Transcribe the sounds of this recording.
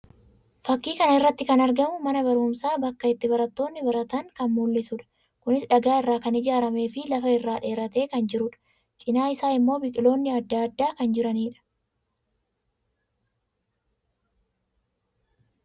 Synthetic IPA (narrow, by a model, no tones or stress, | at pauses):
fɐkːiːkɐnɐɪrːɐt̪ːɪkɐnɐɾɡɐmʊmɐnɐβɐɾuːmsaːbɐkːɐɪt̪ːɪbɐɾɐt̪ːo̞ːnːɪbɐɾɐt̪ɐŋkɐnmuːlːɪsuᶑɐ̥ | kʊnɪsᶑɐɡaːɪrːaːkɐnɪd͡ʒaːɾɐme̞ːfɪlɐfɐɪrːaːᶑe̞ːɾɐt̪e̞ːkɐnd͡ʒɪɾʊᶑɐ̥ | t͡ʃʼɪnaːɪsaːɪmːo̞ːbɪkʼɪlo̞ːnːɪɐd̪ːaːɐd̪ːaːkɐnd͡ʒɪɾɐniːᶑɐ̥